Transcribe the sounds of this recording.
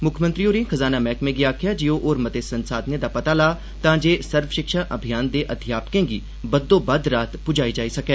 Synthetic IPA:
mʊkʰmə̃nt̪ɾioːɾẽːxʰəzaːnamɛ̃ːkmẽɡiaːkʰɪjad͡ʒioʔoːɾmɐt̪esɐ̃nsaːd̪njed̪apɐt̪aːlaː | t̪ãːd͡ʒeːsɐɾʋʃɪkʃaːʔɐbʱijaːnd̪eʔɐd̪ʱɪjaːpkẽːɡi | bɐd̪ːõːbɐd̪ɾaːt̪pʊd͡ʒaːid͡ʒaːisɐkɛ̃ː

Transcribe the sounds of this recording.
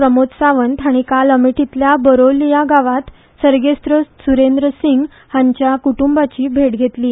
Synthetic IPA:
ɾəmot̪saʋənt̪ɦaɽ̃ikaləmiʈʰit̪ljabəɾolːijaɡaʋat̪ | səɾɡest̪ɾəsuɾend̪ɾəsiŋɡ | haɲt͡ɕjakuʈumbat͡ɕiːbʱeʈɡʱet̪liː

